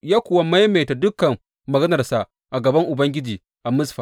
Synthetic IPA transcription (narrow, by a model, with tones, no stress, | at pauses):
jaː˦kʷʊ˨wa˦ma˦jmeː˨ta˨dʊ˦kɐ˨mː | ɐ˨ɡɐ˦nɐ˨rsa˨ʔ | ʔa˨ɡɐ˨bɐ˦ŋʔʊ˨bɐ˦ŋɡʲɪ˦d͡ʒiː˨ | ʔa˨mʊ˦sɸa˨